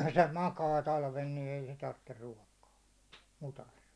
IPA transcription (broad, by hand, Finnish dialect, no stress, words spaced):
se mɑkɑː tɑlʋen ni ei se tɑrtːer ruɒkɑː mutɑs